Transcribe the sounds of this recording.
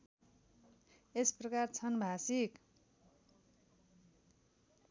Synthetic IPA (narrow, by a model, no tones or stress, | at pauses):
esprʌkart͡sʰʌnbʱasik